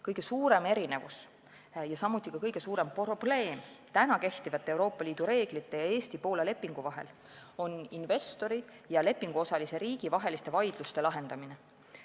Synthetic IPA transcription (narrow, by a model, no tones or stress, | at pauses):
kɤjɡ̥e̞suːɾe̞me̞ɾine̞vus | jɑsɑmːut̪ːˑikɑkɤjɡ̥e̞suːɾe̞mprob̥le̞ːmt̪ænɑke̞ht̪ivɑt̪ːˑee̞wɾo̞ːpːˑɑliːd̪̥uɾe̞ːɡ̥lit̪ːe̞jɑe̞ːst̪ipo̞ːlele̞pːˑiŋɡ̥uvɑɦe̞̰l | o̞ninve̞st̪o̞ɾi | jɑle̞pːˑiŋɡ̥uo̞sɑlise̞ɾiːɡ̥ivɑɦe̞list̪e̞vɑjd̪̥lust̪e̞lɑɦe̞nd̪̥ɑmine̞